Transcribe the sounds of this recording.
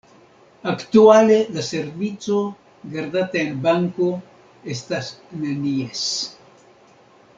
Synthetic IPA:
akt̪ualeðaseɾβit͡so | ɡaɾðat̪eelbaŋko | est̪asnenies

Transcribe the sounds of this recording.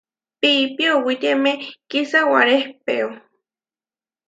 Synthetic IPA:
piːpiowit̪emekisawaɾehpeo

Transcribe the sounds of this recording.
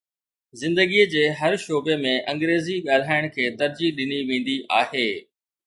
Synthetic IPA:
zɪ̃nd̪əɡiəd͡ʑeːɦɐɾʃoːbemẽʔɐ̃ŋɡɾeːziɠaːl̤aːɪɽ̃kʰeːt̪ɐɾd͡ʑiɗɪniʋẽːn̆d̪iʔaːheː

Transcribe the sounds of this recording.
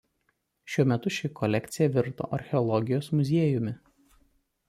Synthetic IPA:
ʃʲuɔmʲɛt̪ʊʃʲɪkɔlʲɛkʲt̪sʲɪjɛʋʲɪɾt̪o̰ːʔɐɾʲxʲɛɔlˠɔɡʲɪjoːsmʊzʲiɛjʊmʲɪ

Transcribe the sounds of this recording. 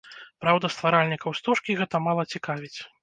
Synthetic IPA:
pɾawd̪ɐst̪vaɾalʲnʲikɐwst̪uʂkʲiɣɛt̪ɐmalˠɐt͡sʲikavʲit͡sʲ

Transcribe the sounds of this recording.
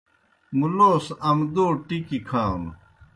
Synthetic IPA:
muloːsɐmd̪oːʈikikʰaːwn

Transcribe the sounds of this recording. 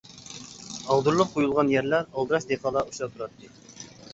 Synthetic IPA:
ɑlˠd̪uɾlˠəqqʰːojulˠʁɑnjæɾlæɾɑlˠd̪ɨɾɑʃd̪eqɑːlˠɑuʃɑt̪ʰuɾɑt̪ʰːɨ

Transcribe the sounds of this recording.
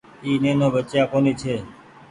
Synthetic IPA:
iːnenoːbət͡ʃjakoniːt͡ʃʰeː

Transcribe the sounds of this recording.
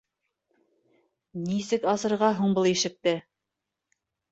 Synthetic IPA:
nisɘkɑsɤ̆ɾʁɑɦuɴbɤlˠiʃɘ̆k̚t̪ɘ

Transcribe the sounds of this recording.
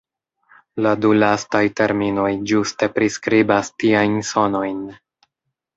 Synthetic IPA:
ladulastajte̞ɾmino̞jd͡ʒuste̞pɾiskɾibastiajnso̞no̞jn

